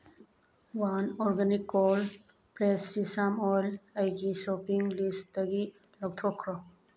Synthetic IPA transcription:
wanɔɾɡanikːɔl | pɾesːisamɔlajɡisɔpiŋlisdaɡi | lɔk̚t̪ʰɔkʰɾɔ

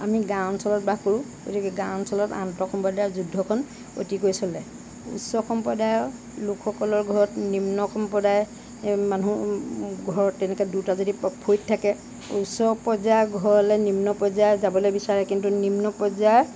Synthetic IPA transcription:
amiɡansɔlɔt̚bakoɹʊ̃ɡo̰tikɛɡãwnsɔlɔta̰ntɔkʰɔmpɔdajɔzudʱːɔkʰɔn | o̰tikojsɔlɛ | ṵsɔkʰɔmpɔdajɔ | lukʰːɔkɔlɔɹɡʱɔɹɔtnimnɔkʰɔmpɔdaj | manu | ɡʱɔɹɔtːɛnɛkɛdutazodipʰojttʰːakɛ | ṵsɔpɔzaɡʱɔɹɔlɛnimnɔpɔzajzabɔlojbisaɹɛkintunimnɔpɔzaj

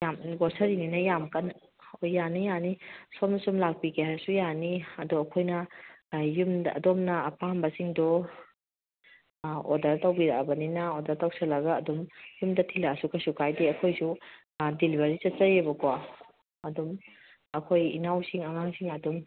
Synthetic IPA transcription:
jamɡɔɾsɐɾininɐjamkɐn | ojːanijanisɔmnɐsɔmlak̚pikeasujaniɐdɔɐkʰojnɐ | jumdɐ̰dɔmnɐːpambɐsiŋdɔ | ɔdɐɾtawbiɾakbɐninaodɐɾtawsɐlɐɡaːdɔmjumdɐtʰilasukʰasukʰajdeɐkʰojsu | dilibʱɐɾizɐt̚t͡ʃɐɾebɐka | ɐdɔm | ɐkʰojḭnawsiŋɐŋaŋsiŋɐdɔm

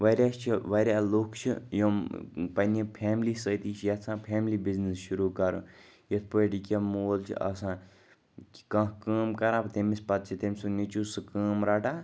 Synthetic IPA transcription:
ʋɐɾʲjaːst͡ʃʰiʋɐɾʲjaːloːkʰt͡ʃʰḭjompɐnipʰeːmliːsət̪iːt͡ʃʰjɐt̪sʰãːpʰeːmliːbiznisʃuɾuːkɐɾṵ̃ | jet̪̚ʰpəʈikʲemoːlt͡ʃʰḭʔɐ̰sãː | kkɐ̃kəːmkɐɾãːpt̪emispɐt̪̚t͡ʃʰit̪emʲsunit͡ʃusɨkəːmɾaːʈaː

